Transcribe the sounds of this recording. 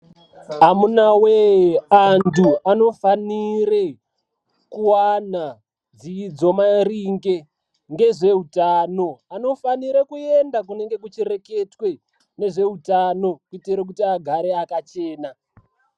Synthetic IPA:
ɦamunaweantuano̞faniɾe | kuwana | d͡ziːd͡zo̞maɾiŋɡe | ŋɡe̞ʐe̞utaːno̞ano̞faniɾekuendakune̞ŋɡe̞k̬ut͡ʃiɾe̞ke̞twe̞ | ne̞ʐe̞utano̞kiteɾek̬utiaɡʱaɾeakat͡ʃeːna

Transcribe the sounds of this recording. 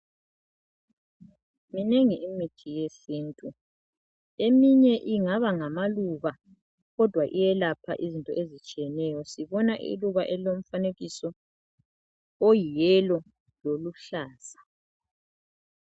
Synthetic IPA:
mineŋiʔimitʰijesiːntʼu | emiɲɛʔiŋaβaŋamaluβa | ɣɔd̥ʱwaʔijɛlapʰa̰ʔizintʼɔ̰ʔezit͡ʃʼijɛnɛjɔsiβɔnaʔḭluβaʔɛilom̩faneɣisɔ | ojijɛlɔ | loluɬaːsḁ

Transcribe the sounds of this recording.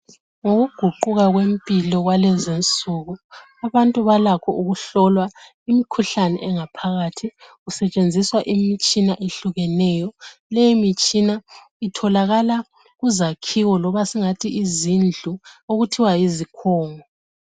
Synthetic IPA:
ŋoɣuɡ̥ʱuǃuɣaɣwempʼilɔɣwalɛzint͡sʼuɣu | aβantʼuβalakʰɔʔuɣuɬɔlwa | imikʰuɬanɛ̰ʔɛŋapʰaɣatʰiɣusɛt͡ʃʼend͡zʱiswaʔimit͡ʃʼinaʔeɬuɣɛnɛjɔlɛjimit͡ʃʼina | itʰɔlaɣala | ɣuzakʰiwɔlɔβasiŋatʰiːzind͡ɮʱuoɣutʰiwajizikʰɔːŋɔ

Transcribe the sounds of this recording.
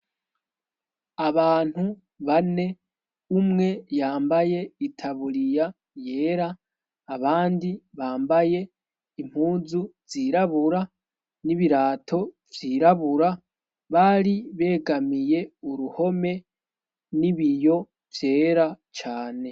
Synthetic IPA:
aβaːn̥hu | βane̞ | umŋe̞jaːmbaje̞itʰaβuɾija | je̞ːɾaː | βaːndiβaːmbaje̞ | im̥huːzuvz̥iɾaβuɾa | niβiɾaːtʰo̞vjiːɾaβuɾa | βaɾiβe̞ːɡamije̞uɾuho̞me̞ | niβijo̞ | vje̞ːɾat͡ʃaːne̞

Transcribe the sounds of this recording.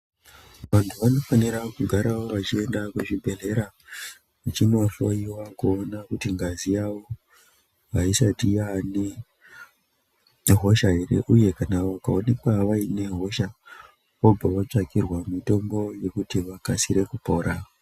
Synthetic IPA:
ʋantʰuʋano̞faniɾakuɡʱaɾawo̞ʋat͡ʃie̞ndakweʐibʱe̞ɮe̞ɾa | ʋat͡ʃinoaɬoiwakoːnakutiŋɡazijawo | ʋaisatijane | ɦo̞ʃaɦe̞ɾe̞̰ʔuje̞kanaʋakaone̞kwaʋaine̞ɦo̞ʃa | ob͡vʱaʋat͡ʂakirwamito̞mbo̞je̞kutiʋakasiɾe̞kupo̞ːɾʔa

